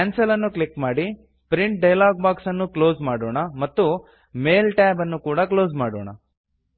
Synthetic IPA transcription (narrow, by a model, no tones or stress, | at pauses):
kaːnsɐlɐnːuklikmaːɽi | pɾiɳʈ̚ɖɐjlaːɡ̚baːksɐnːuklo̞ːzmaːɽoːɳɐmɐt̪ːu | me̞ːlʈɛːbɐnːukuːɽɐklo̞ːzmaːɽo̰ːɳɐ̰